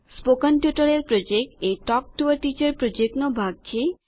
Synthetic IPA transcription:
spokanpjuʈaɾeɾpɾod͡ʑek̚ʈejʈɔk̚ʈuaɾʈit͡ɕeɾpɾod͡ʑeknobʱaɡ̚t͡ʃʰe

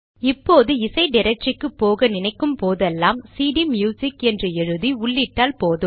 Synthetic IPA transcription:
ɪpːoːðɯɪsɐɪɖɪɾɛk̚ʈɪkːɯpːoːɣɐnɪnɐɪkːɯmpoːðɛlːaːmsiːɖimjuːsɪkɛndrɯɛɻɯðiʊɭːɪʈːaːlpoːðɯm

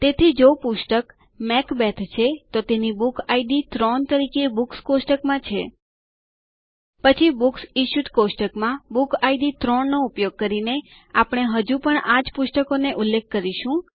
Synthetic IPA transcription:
t̪et̪ʰid͡ʒopuʃʈək | mɛkbɛt̪ʰt͡ʃʰet̪ot̪enibukʰaiɖit̪ɾont̪əɾikeebukskosʈəkmãt͡ʃʰe | pət͡ʃʰibuksiʃuʈkosʈəkmãbukʰaiɖit̪ɾonnoupjoɡ̚kəɾine | apɽ̃eɦəd͡ʒũpəɳʔad͡ʒpʊʃʈəkoneʔulːekʰːəɾiʃũ

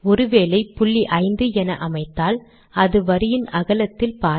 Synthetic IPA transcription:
ɔɾɯʋeːlɐɪpʊɭːiʔɐɪnd̪ɯɛnɐʔɐmɐɪt̪ːaːl | ɐðɯʋɐɾɯjɪnɐɣɐlɐt̪ːɪlpaː

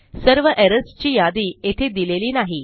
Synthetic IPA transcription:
səɾʋəʔeɾəst͡ɕiːjad̪iːet̪ʰed̪ileliːnaɦi

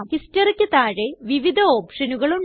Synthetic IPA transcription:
kistɐrikʲːɨt̪aːɻeʋiʋid̪ʱɐo̞ːpʂɐnuɣɐɭuɳ

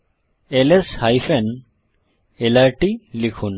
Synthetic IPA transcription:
eleshajfʰen | elaɹʈilikʰun

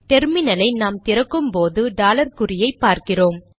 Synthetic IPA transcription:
ʈ̪ɛɾmɪnɐlɐɪnaːmt̪ɪɾɐkːɯmpoːðɯɖaːlɐɾkʊɾɪjɐɪpːaːɾkɪroːm

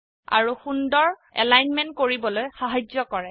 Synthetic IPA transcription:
a̰ɹuxundɔɹɛ̰lajnmɛnt̚koɹibɔlojxaɦazɔkɔɹɛ

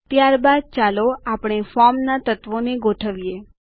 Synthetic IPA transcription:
t̪jaɾbad̪̚t͡ʃaloapɽ̃efɔɾmnat̪ət̪ʋoneɡoʈʰəʋije

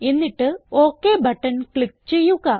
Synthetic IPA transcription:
e̞nːiʈːɨo̞ːkːebʱɐʈːɐnkɭik̚ːt͡ɕe̞jːuɣɐ

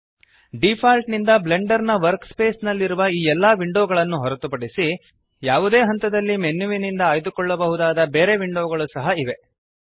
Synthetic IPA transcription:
ɖipʰaːlʈnind̪ɐbleɳɖɐɾnɐʋɐɾkspeːsnɐlːiɾuʋɐiːɛlːɐːʋiɳɖoːɡɐɭɐnːuɦɔɾɐt̪upɐɽisi | jaːʋud̪e̞ːɦɐnt̪ɐd̪ɐlːimenːuʋinind̪ɐaːjd̪ukɔɭːɐbɐɦud̪aːd̪ɐbeːɾe̞ʋiɳɖoːɡɐɭusɐɦɐiʋe̞

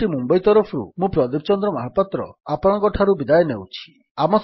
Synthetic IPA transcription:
ʈimumbɔjt̪ɔɾɔpʰɾṵmũpɾɔd̪ib̚t͡ʃɔnd̪ɾɔmaɦapat̪ɾɔ̰apɔɽ̃ɔ̃kɔʈʰaɾubid̪ajenewt͡ʃʰi̥ | amɔs

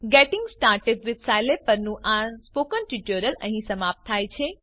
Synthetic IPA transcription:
ɡeʈɪ̃ŋɡsʈaːɾʈepʋɪtsajlepəɾnũʔãspokənʈiʈəɾələ̃ɦĩsəmap̚t̪ʰːajt͡ʃʰe

